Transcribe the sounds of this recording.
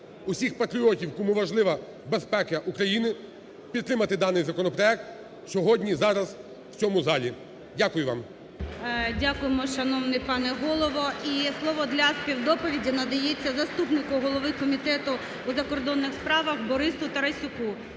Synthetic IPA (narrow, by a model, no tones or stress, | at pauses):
ʊsʲixpɐt̪ɾʲiɔtʲiwkɔmuʋɐʒlˠɪʋɐ | bespɛkɐʔukɾɐjinɪ | pʲid̪̚t̪ɾɪmɐt̪ɪd̪ɑnɪjzɐkɔnɔpɾɔɛk̚t̪ | sʲɔɦɔdʲnʲizɑɾɐz | w̥t͡sʲɔmʊzɑlʲi | dʲakʊjʊʋɑ̰m | dʲakʊjemɔʃɐnɔwnɪjpɑnɛɦɔlˠɔʋɔʔislˠɔʋɔd̪lʲɐspʲiwd̪ɔpɔʋʲidʲinɐd̪ɐjet͡sʲːɐzɐst̪upnɪkʊɦɔlˠɔʋɪkɔmʲit̪ɛt̪ʊ | uzɐkɔrd̪ɔnːɪxspɾɑʋɐxbɔɾɪsʊt̪ɐɾɐsʲʊku